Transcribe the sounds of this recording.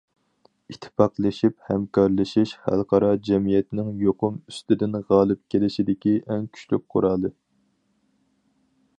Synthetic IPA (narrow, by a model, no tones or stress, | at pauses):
it̪ʰːɪ̥pɑqlˠɨʃiphɛmkʰɑɾlˠɨʃiʃhæ̰lˠqʰɑɾɑd͡ʒɛmijɛt̪nɪŋjoqʊmyst̪ɪd̪ɪnʁɑːlˠɨp̚kʲʰelɪʃid̪ɪkʲiʔɛŋkʲʰy̥t͡ʃlyk̚qʰʊ̰ɾɑːlˠɨ